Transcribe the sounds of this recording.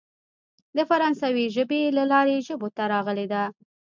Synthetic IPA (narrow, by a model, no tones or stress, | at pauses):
d̪əfaɾɑnsaweʒəbelalɑɾeʒəbot̪aɾɑɣəled̪a